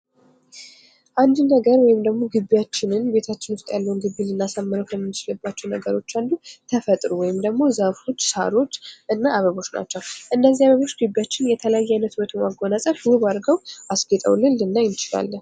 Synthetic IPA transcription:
ʔand̪nəɡəɾwɔjɪmd̪əɡmo̞ɡɨbːijat͡ʃːɪnɨnbe̞t̪ʰat͡ʃːɪnwʊst̪ʼjalːəwunɡɨbːilɨnːasamːɨɾəwkʰəmmːɨt͡ʃlɨbːat͡ʃːɛwnəɡəɾo̞t͡ʃːand̪ut̪ʰəfət̪ʼɾuwɔjɪmd̪əɡmo̞zafo̞t͡ʃːsa̰ɾo̞t͡ʃːʔɨnːaʔaβəβo̞t͡ʃːna̰t͡ʃːəwʔɨnːəzːiaβəβo̞t͡ʃːɡɨbːijat͡ʃːɪnjɛt̪ʰələjajːajnət̪bət̪ʰumaɡo̞nasʼəfwuβaɾɡəwʔasɡɛt̪ʼə̰wlɨnlɨnːajɪnt͡ʃɪla̰lːə

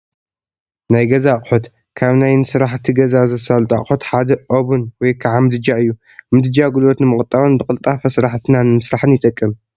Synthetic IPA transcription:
najɡɐzaχʼħot̪ | kʰaβnajnɨsɨɾaħt̪ʰiɡɐzazɐsalt̪ʼa̰χʼħot̪ħad̪ɐʔoβunwɔjkʰaʕamɨd̪ɨd͡ʒaɨjːu | mɨd̪ɨd͡ʒaɡulot̪nɨmɨχʼɨt̪ʼːawonbɨkʼɨlt̪ʼafɐsɾaħt̪ʰɨnanɨmɨsɾaħɨnjɪt̪ʼɐkʼːɨm

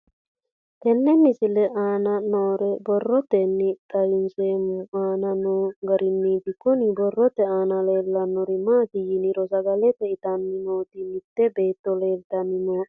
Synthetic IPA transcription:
t̪ɛnːɛmːisilɛʔaːnanoːɾɛbɔrːɔt̪ɛnːik̪ajinsemuaːnanuŋɡaɾinːid̪ikɔnibɔrːɔt̪ɛaːnalelːanːuɾimat̪ijiniɾosaɡalet̪eit̪anːinoːt̪imit̪ːebeːt̪ːolelt̪anːino

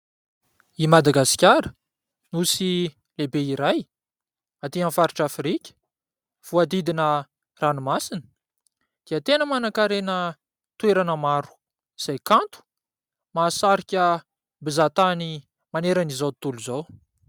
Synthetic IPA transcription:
imad̪aɡaskʲaɾə | nusi | lebeiɾaj | at̪iãnfaɾiʈ͡ʂafrikʲə̥ | v̥uad̪id̪inə | ranumasinə̥ | d̪̥iət̪enəmanakaɾenə | t̪weɾanəmaɾu̥ | z̥ajkant̪u̥ | maːsaɾikʲə | bizat̪ani | maneɾanizawt̪uluzaw

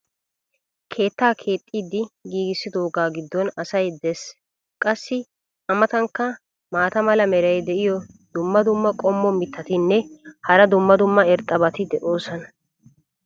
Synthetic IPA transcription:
kʰe̞ːt̪ːaːkʰe̞ːt̪ʼːiːd̪ɪɡiːɡɪsːɪd̪oːɡaːɡɪd̪ːɔnɐsɐjd̪ɛs | kʼɐsːɪ | ɐmɐt̪ɐŋkːɐ | maːt̪ɐmɐlɐmɛɾɐjd̪ɛʔɪjɔ | d̪̥ʊmːɐd̪ʊmːɐkʼɔmːɔmɪt̪ːɐt̪ɪnːɛhɐɾɐd̪ʊmːɐd̪ʊmːɐɛɾt̪ʼːɐbɐt̪ɪd̪ɛʔo̞ːsɔnɐ

